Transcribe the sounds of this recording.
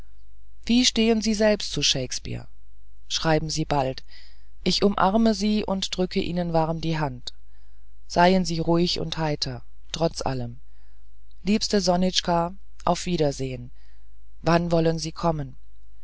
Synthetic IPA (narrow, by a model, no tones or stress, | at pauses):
v̥iːʃteːənziːzɛlpstt͡suʃeɪkspḭːɐ | ʃʁ̥aɪbm̩ziːbalt | ʔɪçʔʊmʔa̰ʁməziːʔʊ̰ntd̥ʁʏkʰəʔiːnənvaʁmdiːɦant | z̥aɪənziːʁuɪçʊ̰nthaɪtʰɐ | tʁ̥ɔt͡sʔa̰ləm | liːpstəzɔnɪt͡ʃka | ʔa̰ʊfv̥iːɾɐzeːən | vanvɔlənziːkʰɔmən